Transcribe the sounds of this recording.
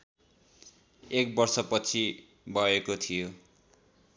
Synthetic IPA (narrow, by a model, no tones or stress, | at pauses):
ek̚bʌrsʌpʌt͡sʰi | bʱʌekot̪ʰijo